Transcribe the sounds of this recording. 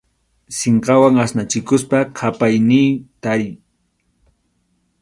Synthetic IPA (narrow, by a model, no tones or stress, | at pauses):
seɴqɑwaŋasnat͡ʃɪkʊspakʰapajnɪːt̪aɾɪj